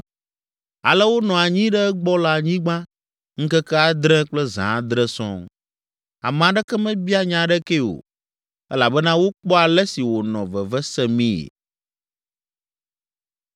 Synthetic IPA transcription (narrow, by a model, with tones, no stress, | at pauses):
a̰˨lɛ˦wo˦nɔ̃˨a˨ɲĩ˦ɖɛ˦ɛ˦ɡ͡bɔ˦la˨ɲĩ˦ɡ͡bã˦ | ŋ̩˦kɛ˦kɛ˦a˨d̪ɾɛ̃˦k͡plɛ˦zã̰˨˦d̪ɾɛ˦sɔ̰̃˦ | a̰˨m̃˨a˨ɖɛ˦kɛ˦mɛ̃˦bi˦a˦ɲã˨ɖɛ˦ke˦o̰˨ | ɛ̰˦la˨bɛ˦nã˦wo˦k͡pɔ˦a˨lɛ˦si˨wo˨nɔ̃˨və˨vɛ˦sɛ˦mĩ˦ḛ˨